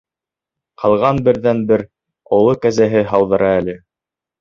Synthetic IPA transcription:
qʰɑlˠʁɑnbɘ̆ɾðænbɘɾ | ŏlˠɤkæzæɦɘɦɑwðɤ̆ɾɑælɘ

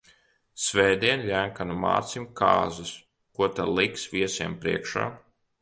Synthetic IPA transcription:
sʲvɛjd̪iɛnlʲæŋkanuma̰ːt̪simka̰ːzus | kuɔt̪alˠiksvʲiɛsiɛmpɾḭɛkʃa̰ː

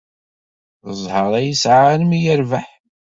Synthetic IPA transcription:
əzˤhəɾˤæjəsʕanmijəɾvaħ

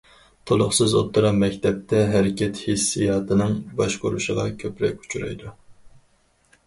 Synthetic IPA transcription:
t̪ʰolˠʊχsɨzo̰t̪ʰːuɾɑmːɛkʲt̪ʰɛp̚t̪ʰɛɦæɾɪkʲʰɛt̪hisːijɑːt̪ʰɨnɨŋbɑʃqoɾṵʃəʁɑkʲʰøpɾɛ̰kʲu̥t͡ʃʰuɾɑ̰jd̪u

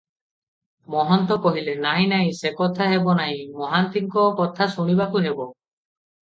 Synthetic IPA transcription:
mɔɦɔnt̪ɔkɔɦilenaɦĩnaɦĩsekɔt̪ʰaɦebɔnaɦĩmɔɦant̪iŋkɔkɔt̪ʰasuɽ̃ibakunebɔ

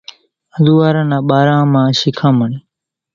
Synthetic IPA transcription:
əd̪uːʋaːɾãːnãːɓaːɾãːmãːʃɪkʰãːməɳeː

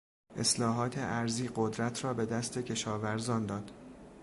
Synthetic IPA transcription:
ʔe̞slɒːɦɒːt̪ʰe̞ʔæɾziːɢod̪ɾæt̪ʰrɒːbe̞d̪æst̪ʰe̞cʰe̞ʃɒːvæɾzɒːnd̪ɒːd̪̥

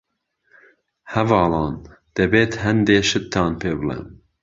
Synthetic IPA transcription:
hɛvɑːlɑːn | d̪̥ɛbeːt̪hɛnd̪eːʃɨt̪ʰːɑːnpʰeːbɨlɛ̰n

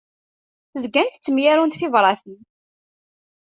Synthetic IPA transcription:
θəzɡænt̪t͡sːəmjæɾunt̪θivɾˤɑθən

